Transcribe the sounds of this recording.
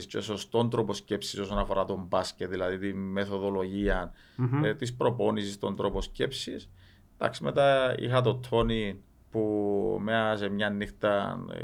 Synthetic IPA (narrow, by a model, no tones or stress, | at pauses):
st͡ʃeso̞st̪o̞nt̪ɾo̞po̞sce̞psiso̞sonɐfo̞ɾɐt̪o̞mbɐscet̪ðilɐðit̪imːe̞θo̞ðo̞lo̞ʝiɐn | t̪ispɾo̞po̞nisist̪o̞nt̪ɾo̞po̞sce̞psis | d̪̥ɐ̰ksime̞t̪ɐḭxɐt̪o̞t̪ʰo̞ni | pumeɐse̞mɲɐnːixt̪ɐ